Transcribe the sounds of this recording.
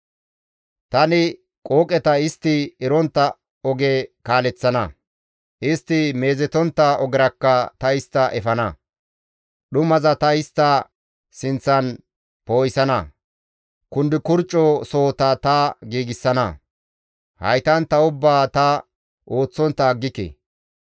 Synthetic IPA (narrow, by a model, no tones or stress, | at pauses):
t̪ɐnɪ | kʼo̞ːkʼɛt̪ɐɪst̪ːɪɛɾɔnt̪ːɐ | ɔɡekaːlɛt͡sːɐnɐ̰ | ʔɪst̪ːɪme̞ːzɛt̪ɔnt̪ːɐɔɡɪɾɐkːɐt̪ɐɪst̪ːɐʔɛfɐnɐ | ɗʊmɐzɐt̪ɐɪst̪ːɐ | sɪnt͡sːɐn | poːjɪsɐnɐ̰ | kʊnd̪ɪkʊɾt͡ʃʼːɔsoːt̪ɐt̪ɐɡiːɡɪsːɐnɐ | hɐ̰jt̪ɐnt̪ɐʊbːaːt̪ɐ | ʔo̞ːt͡sːɔnt̪ːɐːɡːɪkɛ̰